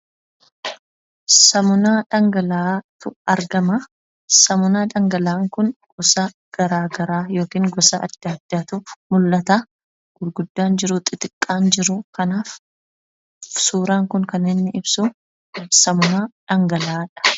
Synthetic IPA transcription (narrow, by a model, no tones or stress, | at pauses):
sɐmʊnaːᶑɐŋɡɐlaːt̪ʊɐɾɡɐmɐ | sɐmʊnaːᶑɐŋɡɐlaːŋkʊnɡ̥ɔsɐ | ɡ̥ɐɾaːɡɐɾaːjo̞ːkiːŋɡɔsɐʔɐ̰d̪̥ːad̪̥ːaːt̪ʊmʊlːɐt̪a | ɡ̥ʊlɡʊd̪ːaːnd͡ʒɪɾʊt̪ʼɪt̪ɪkʼːaːnd͡ʒɪɾʊkɐnaːf | suːɾaːŋkʊŋkɐnːeːnːɪɪbsʊ | sɐmʊnaːᶑɐŋɡɐlaːᶑɐ̥